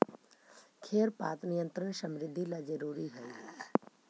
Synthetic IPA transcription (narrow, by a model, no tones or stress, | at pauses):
kʰeːɾpa̰ːt̪nɪjə̃nt̪ɾənʃə̃mɾɪd̪ʱːilad͡ʒəɾuːɾiɦɛː